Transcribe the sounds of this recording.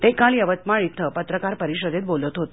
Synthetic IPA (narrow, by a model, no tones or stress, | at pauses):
t̪ekaliəʋət̪̚maɭit̪ʰːəpət̪ɾəkaɾpəɾiɕəd̪et̪̚bolət̪ɦot̪